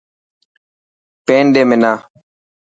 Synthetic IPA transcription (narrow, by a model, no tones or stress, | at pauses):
pẽːnɖeːmẽnaː